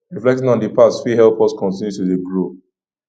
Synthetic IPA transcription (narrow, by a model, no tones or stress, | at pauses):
ɹiflɛk̚tĩnɔ̃ndipasfiɦɛlpʰɔskʰɔ̃ntĩnjutudeɡɹo